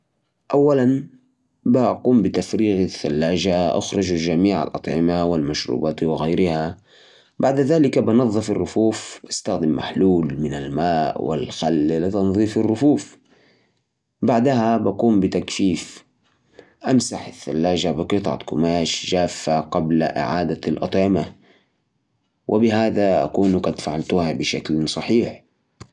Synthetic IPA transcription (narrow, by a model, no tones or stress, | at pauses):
ʔawːalan | baʔaquːmbɪt̪afɾiːɣaθːalːaːʒaʔa̰xɾɪd͡ʒalʒamiːʕa̰lʔɑ̰t̪ˤʕɪmawɪlmaʃɾṵːbaːt̪wɪɣajɾɪha | baʕd̪aðaːlɪkabɪnɑðˤːɨfɪrːʊfuːfʔast̪axd̪ɪmːa̰ħluːlmɪnalmaːʔwɪ̰lxalːlɪt̪ɑnðˤiːfɪrːʊfuːf | baʕd̪ahabakuːmbɪt̪akfiːf | ʔamsaħaθːa̰lːaːʒabɪqɨt̪ˤɑʕ̰t̪kʊmaːʃʒaːfːaqɑbla̰ʔɪ̰ʕaːd̪alʔɑt̪ˤʕɪma | wʔɪbɪɦaːðaʔa̰kuːnqɑd̪faʕalt̪ʊhabɪʃaklsˤɑħiːħ